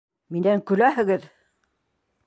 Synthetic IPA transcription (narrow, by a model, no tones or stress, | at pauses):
minæŋkʉ̆læhɘ̆ɡɘð